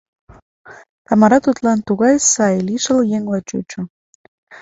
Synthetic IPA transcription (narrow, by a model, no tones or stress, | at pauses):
t̪ɑmɑɾɑt̪ut̪lɑnt̪uɣɑjsɑjliʃə̆ljeŋlɑt͡ɕut͡ɕo